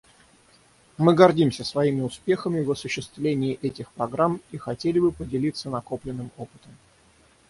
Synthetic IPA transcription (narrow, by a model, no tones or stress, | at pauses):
mɨɡɐrdʲimsʲəsvɐimʲɪʊspʲe̞xəmʲɪvɐsʊɕːɪst̪vlʲenʲɪːʔɛtʲɪxpɾɐɡɾamixɐtʲelʲɪbɨpədʲɪlʲit̪sənɐko̞plʲɪnːɨmo̞pɨ̥t̪əm